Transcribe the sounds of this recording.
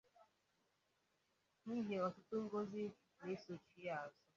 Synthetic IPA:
ni˦ɦe˨ɔ˨tʊ˦to˦ŋ̩˦ɡo˦zi˦ | ne˦so˨t͡ʃi˦ja˨a˨zɔ˦

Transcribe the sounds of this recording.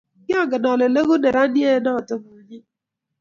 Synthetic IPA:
ɡɪ˦ɔ˦ɡɪ˨nɔ˨ne˨ne˦ɣʊ˦ne˨ɾa˦ni˦e˦nɔ˦˨tʊ˦mʊ˦ɲi˦

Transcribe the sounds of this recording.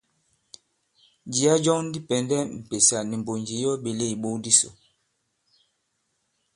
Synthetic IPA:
d͡ʒi˨˦a˦d͡ʒɔ˦ŋn˦di˦pɛ˨ndɛ˦m̩˨pe˨sa˨ni˨m˨bo˨nd͡ʒi˨jɔ˦ɓe˨le˦˨i˨ɓo˦di˦so̰˨

